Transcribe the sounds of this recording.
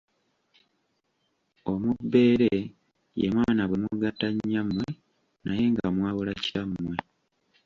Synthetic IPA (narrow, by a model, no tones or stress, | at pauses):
o̞mubːe̞ːɾe | jḛmwaːnaβwe̞muɡataɲːamːwe̞ | naje̞ŋɡamwaːβolacamːwe